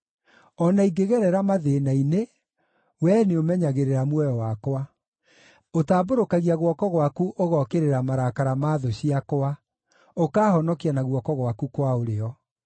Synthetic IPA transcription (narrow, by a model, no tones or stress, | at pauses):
ɔnaiɡeɣɛɾɛɾamaðenaine | wɛːneomɛɲaɣeɾeɾamwɛjɔwakwa | otaːboɾokaɣiaɣwɔkɔɣwakuʔoɣɔkeɾeɾamaɾakaɾamaːðoɕiakwa | okaːhɔnɔkianaɣwɔkɔɣwakukwaoɾeɔ